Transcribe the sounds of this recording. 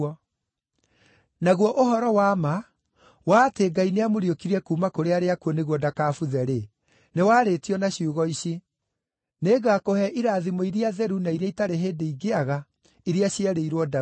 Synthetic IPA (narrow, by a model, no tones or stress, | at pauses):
ɔ | naɣwɔʔoɦɔɾɔwaːma | waːteɡaineamoɾiokiɾɛkuːmakoɾeaɾeakuɔneɣwɔdakaːfuðɛɾe | newaːɾetiɔnaɕiuɣɔiɕi | neɡakohɛʔiɾaːðimoiɾiaðɛɾunaiɾaitaɾeɦeːdeiɡeaɣa | iɾiaɕiaɾeiɾwɔda